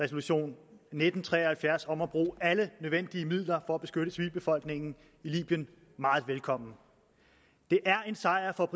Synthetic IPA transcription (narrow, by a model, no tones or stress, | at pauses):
ɛso̝luɕo̝̰ːnːed̥n̩t͡sʰʁɛ̰ːɒhælfjæɐsɒ̽mɒb̥ʁṵːælənøð̞ˠʋen̰d̥iəmið̰ˠlɐfɒ̽æb̥e̝sɡ̥øɾ̥əsʰʋilb̥e̝fɒ̽l̰ɡ̥ne̝ŋ̰n̩ | ilḭːb̥jən | mɑ̈ːð̞̩ˠʋelkʰɒ̽m̰n̩ | d̥e̝ʔæɐe̝nsɑ̈ɪ̰ɐfɒ̽b̥